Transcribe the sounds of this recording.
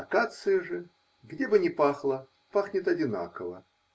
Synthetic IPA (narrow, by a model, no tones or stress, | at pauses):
ɐkat̪sɨjəʐɨ | ɡdʲebɨnʲɪpaxlˠə | paxnʲɪt̪ɐdʲɪna̰kəvə